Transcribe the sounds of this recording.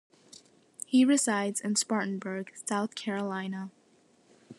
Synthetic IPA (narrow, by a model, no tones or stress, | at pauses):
hiɹɨzaɪdz̥ɨ̃nspɑɹʔn̩bə˞ɡ̥saʊθkʰɛɹəlãɪ̃nə